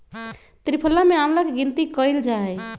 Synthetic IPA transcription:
t̪ɾipʰəlːameamlakeɡint̪ikəjld͡ʒae

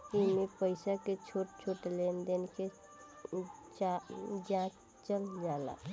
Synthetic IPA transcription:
ɪmẽpəɪsaket͡ʃʰoːʈt͡ʃʰoːʈlend̪enke | d͡ʒãːt͡ʃ | t͡ʃəld͡ʒaːla̰

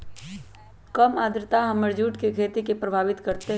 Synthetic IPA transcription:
kɐmaːd̪ɾt̪aɦɐməɾd͡ʒuːʈkekʰeːt̪ikepɾɐbʱaːʋɪt̪kɐɾt̪eɦ

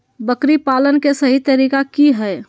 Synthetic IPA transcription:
bəkɾipalənkesəɦit̪əɾikakiɦɛ

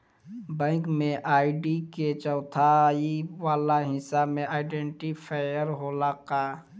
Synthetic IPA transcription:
bɛ̃ːkmẽʔaːiɖiket͡ʃɔʊt̪ʰaiʋaːlaɦɪsamẽʔaːɪɖeɳʈipʰajəɾɦolaka

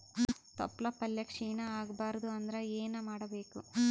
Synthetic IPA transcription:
t̪ɐ̰pːlɐpɐljɐkʂiːɳɐaːɡbaːɾɐd̪uɐnd̪ɐɾeeːnɐmaːɽɐbe̞ːku

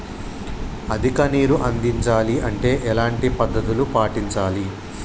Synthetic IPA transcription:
ɐd̪ʱikɐniːɾuʔɐnd̪iɲt͡ʃaːliʔɐɳʈe̞ːʔɛlaːɳʈipɐd̪ːɐt̪ulupaːʈiɲt͡ʃaːli

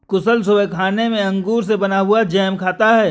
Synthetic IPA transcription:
kʊsəlsʊbɛkʰaːnemẽɐ̃ŋɡuːɾs̬ebɐnaɦʊad͡ʒɛːmkʰaːt̪aɦɛː

